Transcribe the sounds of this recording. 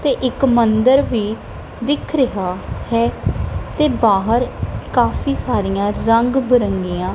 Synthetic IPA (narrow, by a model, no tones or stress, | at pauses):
t̪eːʔɪkmənd̪əɾʋiː | d̪ɪkʰɾəɦaːhɛːt̪eːbaːɦəɾkaːfʰiːsaːɾijãːɾəŋɡbəɾəŋɡiːãː